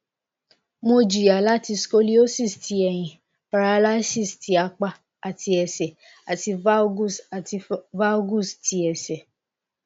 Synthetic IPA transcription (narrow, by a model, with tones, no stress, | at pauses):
mo˧d͡ʒi˨a˨la˦ti˧sko˦li˦o˦si˦˨stʰi˧˦ɛ˨j̃ĩ˨ | pa˧ɾa˧la˦si˦˨sti˧˦a˧k͡pa˧ | a˨tʰi˧ɛ˨sɛ˨ | a˨ti˧va˦ɡu˦˨sti˧va˦ɡu˦˨sti˧ɛ˨sɛ˨